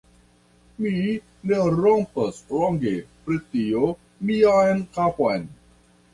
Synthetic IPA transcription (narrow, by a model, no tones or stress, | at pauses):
mi | neɾompasloŋɡepɾitio | miajnkapojn